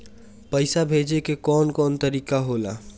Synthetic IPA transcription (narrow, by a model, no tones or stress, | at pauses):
pəɪsabʱed͡ʒekekɔːnkɔːnt̪əɾikaɦola̰